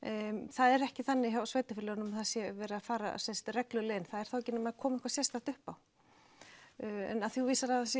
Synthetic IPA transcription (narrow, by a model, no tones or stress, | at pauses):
θaðɛɾɛhcɪθanːɪçawsveːjt̪afɪlɛɣnʏmaθasjɛvɛːɾafaːɾa̰sɛnst̪rɛklʏleːjnθaðɛɾ̥θawɛcːɪnamaðkʰɔːmaɪhkvasjɛst̪aht̪ʏhpaw | ɛ̰naðθjuviːsaɾaasjɛ